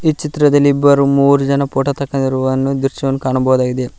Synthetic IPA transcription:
iːt͡ʃit̪ɾɐd̪ɐlːiibːɐɾumuːɾud͡ʒɐnɐpoːʈɐt̪ɐkːɐd̪ɐɾuɐnːud̪uɾt͡ʃɐɐnːukaːɳɐbɐɦɐd̪aːɡid̪e

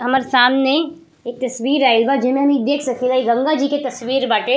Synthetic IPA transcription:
ɦɐmaːɾesaːmne | eːk̚t̪ɐsʋiːɾaːɪlbad͡ʒɪmẽmid̪eːkʰsɐkilaiɡɐ̃ŋɡad͡ʒiket̪ɐsʋiːɾbaːʈe

